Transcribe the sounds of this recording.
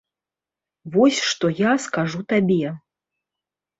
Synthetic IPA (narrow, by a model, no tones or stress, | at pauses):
vɔsʲʂt̪ɔjaskaʐut̪abʲɛ